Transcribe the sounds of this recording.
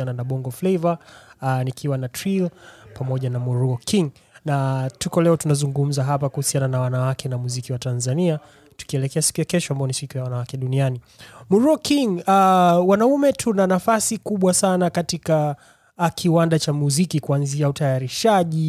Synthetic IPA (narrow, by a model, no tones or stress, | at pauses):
ananaɓɔŋɡɔflɛjvanikʰiwanatɾilpamɔʄanamuɾuɔkiŋ | natukɔlɛɔtunazuŋɡum̩zaɦapakuhusiananawanawakɛnamuzikiwatanzania | tu̥kiɛlɛkɛasi̥kujakɛʃɔambaɔnisikujawanawakɛɗuniani | muɾuɔkiŋawanaumɛtʰunanafasikuɓwasanakatika | kʰiwandat͡ʃamuzikikuanziautajaɾiʃaʄi